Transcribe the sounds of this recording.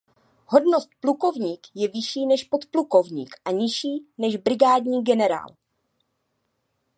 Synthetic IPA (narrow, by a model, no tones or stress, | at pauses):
ho̞dno̞st̪̚pluko̞vɲiːkjɛvɪʃiːnɛʃpo̞t̪pluko̞vɲḭːkʔaɲɪʃiːnɛʒbɾɪɡaːdɲiːɡɛnɛɾa̰ːl